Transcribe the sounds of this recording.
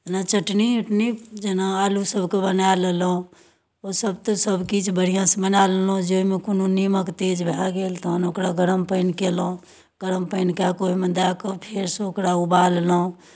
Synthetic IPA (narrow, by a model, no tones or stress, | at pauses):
d͡ʒənat͡ʃəʈniuʈnid͡ʒenaaːlusəbʱkebənalelõ | osəb̚t̪osəbʱkit͡ʃʰbəɽ̤ijãsebənallõd͡ʒoimẽkununiməkt̪ed͡ʒbʱaɡeːlt̪oɦənokɾaɡəɾəmpəɪnkelo | ɡ̥əɾəmpəɪnkakoɦimə̃d̪akopʰeɾsoːkɾauballõ